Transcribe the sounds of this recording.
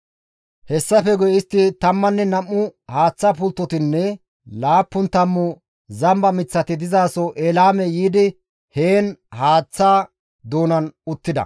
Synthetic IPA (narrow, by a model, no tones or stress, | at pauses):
hɛsːɐfɛɡʊjɪst̪ːɪt̪ɐmːɐnːɛnɐmːʊhaːt͡sːaːpʊlt̪ːɔt̪ɪnːɛ | laːpːʊnt̪ɐmːʊ | zɐmbɐmɪt͡sːɐt̪ɪd̪ɪzaːsɔʔeːlaːmɛjiːd̪ɪ | heːnhaːt͡sːaː | d̪oːnɐnʊt̪ːɪd̪ɐ̰